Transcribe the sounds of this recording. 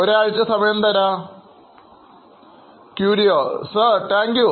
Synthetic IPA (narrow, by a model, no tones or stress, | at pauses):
oɾaːɻit͡ɕːɐsɐmɐjɐnt̪ɐɾa | kjuːɾijoːsɐʈaːŋkju